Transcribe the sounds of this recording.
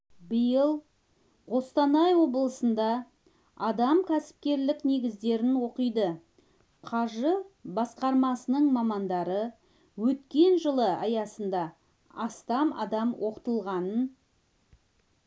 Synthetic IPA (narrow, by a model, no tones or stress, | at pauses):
bəjəlˠ | ʁo̞st̪ɑnɑjwo̞blˠəsənd̪ɑ | ɑd̪ɑmkʲʰæsɪ̥p̚kʲe̞ɾlɪkne̞ɡʲɪzd̪e̞ɾɪnwo̞qəjd̪ə | qʰɑʒəbɑsqɑɾmɑsənəɴmɑmɑnd̪ɑɾə | wɵt̪kʲe̞nʒəlˠəɑjɑsənd̪ɑ | ɑst̪ɑmɑ̰d̪ɑmwʔo̞qət̪əlˠʁɑnən